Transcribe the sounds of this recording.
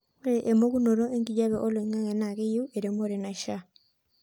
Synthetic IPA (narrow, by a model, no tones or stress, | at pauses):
oɾeʔemoɣunoɾoeŋɡiɟaβeʔoloiŋaŋenaɣeijueɾemoɾenaiʃa